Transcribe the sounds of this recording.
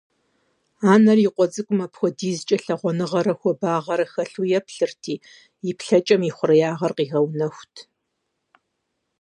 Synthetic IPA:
aːnɐriqʷɔd͡zɨkʷʼʊmɐpxʷɔdiːzt͡ʃʼɐɬɐʁʷɔnɨʁɐɾɐxʷɔbaːʁɐɾɐxɐɬujɛpɬɨrtʰiː | jɪpɬɐt͡ʃʼɐmiχʷʊrɐjaːʁɐrqiːɣɐwnɐxʷtʰ

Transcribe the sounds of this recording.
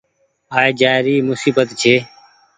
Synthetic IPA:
aːeːd͡ʒaːɪɾiːmʊsiːbət̪t͡ʃʰeː

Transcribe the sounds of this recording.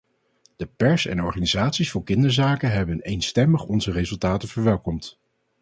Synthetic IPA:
d̥əpɛɹsɛ̰nɔɹχaːnizaːtsisfʊːɹkɪndəɹzaːkəɦɛbənejnstɛməχɔnzərezɵlˠtaːtəv̥əɹʋɛlˠkɔmt

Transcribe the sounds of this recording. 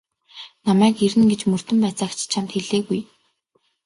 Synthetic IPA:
namæːkeɾɘ̆nɡet͡ɕmɵr̥t̪ɵ̆mpæːt͡saːkt͡ɕʰt͡ɕʰamt̪xeɮeːɣuj

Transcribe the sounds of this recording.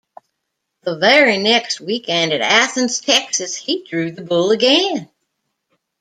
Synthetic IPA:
ðəvɛɹinɛkst̚wikɛ̃ndɨɾæθɨ̃nz̥tʰɛksɨshidɹʉðɨbʊlˠəɡɛ̃n

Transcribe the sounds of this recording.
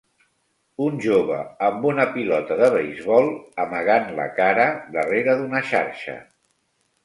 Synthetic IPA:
unʲʒoβəːmbunəpilɔt̪əðəβəjzβɔlˠəməɣ̞anlə̰kaɾəd̪əreɾəðunəʃa̰ɾʃə̰

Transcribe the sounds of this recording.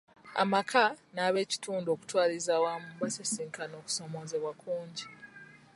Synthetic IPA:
a̰makʰanaːβe̞ːci̥tʰuːndo̞ːku̥twaːlizaːwamumbasesiːŋkano̞ːku̥so̞mo̞zeβwakuːɲɟi

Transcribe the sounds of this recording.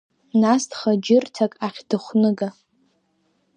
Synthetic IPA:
nastʰχad͡ʒɪrtʰakʼaχʲdɨχʷnɨɡa

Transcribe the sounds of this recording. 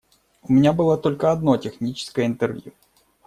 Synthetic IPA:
ʊmʲɪnʲabɨlˠat̪o̞lʲkəɐd̪no̞tʲɪxnʲit͡ɕɪ̥skəjəɪnt̪ɨrvʲjṵ

